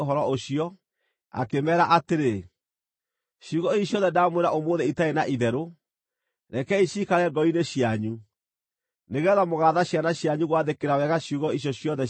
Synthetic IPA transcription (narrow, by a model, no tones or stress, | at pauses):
oɦɔɾɔoɕiɔ | a̰kemɛːɾaʔateɾe | ɕuɣɔiɕjɔðɛdaːmweɾaʔomoːðɛitaenaʔiðɛɾo | ɾɛkɛiɕiːkaɾɛɡɔineɕjaɲu | neɣɛðamoɣaːðaɕjanaɕjaɲuɣwaðekeɾawɛɣaɕjuɣɔiɕ̬jɔɕjɔðɛ